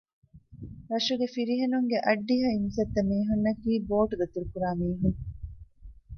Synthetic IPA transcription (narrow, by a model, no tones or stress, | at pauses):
ɾɐʃuɡefiɾiɦenuŋɡeʔɐɖːiɦɐinsɐt̪ːɐmeːɦunːɐkiːboːʈud̪ɐt̪uɾukuɾaːmiːɦuŋ